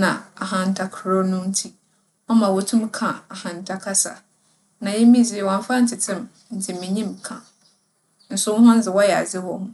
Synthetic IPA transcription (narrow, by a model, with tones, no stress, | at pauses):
nã˨a˨ɦã˨n̩˨tʰa˦kʰɾo˦nʊ̃˦n̩˦tʰi˦ | ɔ˦mã˨wʊ˨tʰʊ̃˦mkʰã˨a˨hã˨n˨tʰa˦kʰa˦sa̰˨ | nã˨jɛ˦mĩ˦d͡zi˦˨wã˨n˦fa˦n̩˦tʰɪ˨tʰɪ̃˦m | n̩˨tʰɪ˨mĩ˨ɲĩ˦mkʰã˨ | n̩˦sʊ˦wʊ̃˦ɦã˦n̩˦d͡zɪ˨wɔ˦jɛ˨a̰˨d͡zɪ˦wɔ˨hʊ̃˦